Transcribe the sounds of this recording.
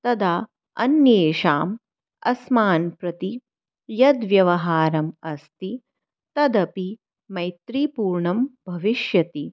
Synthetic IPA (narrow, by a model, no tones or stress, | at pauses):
t̪ɐd̪aː | ɐ̰njeːʃaːm | ɐsmaːnpɾɐt̪i | jɐd̪ʋjɐʋɐɦaːɾɐmɐst̪i | t̪ɐd̪ɐpi | mɐjt̪ɾipuːɾɳɐmbʱɐʋiʃjɐt̪i